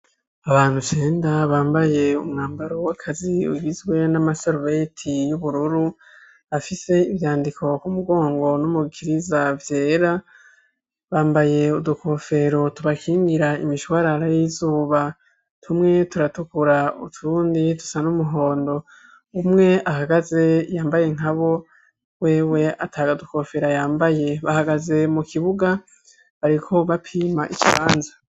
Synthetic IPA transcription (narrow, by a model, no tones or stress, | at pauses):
aβaːn̥hut͡ʃeːndaβaːmbaje̞umŋaːmbaɾowakʰaziṵɡizɡwe̞namasoɾuβetʰijuβuɾuɾu | afise̞ivjaːndikʰo̞kumuɡo̞ːŋɡo̞numuɡikʰiɾizavje̞ːɾa | βaːmbaje̞ud̪uko̞ːfe̞ɾo̞tuβakʰiːŋɡiɾaḭmiʃowaɾaɾajizuːβa | tʰumŋe̞tuɾatukuɾaṵtʰuuːnditu̥sanumuɦo̞ːndo̞ | umŋe̞ʔahaɡaze̞jaːmbaje̞ŋ̥aβo̞ | we̞ːwe̞atʰaːɡaduko̞fe̞ɾajaːmbaje̞βahaɡaze̞mukʰiβuɡa | βaɾikʰo̞βapʰiːmaʔicḭβaːnzḁ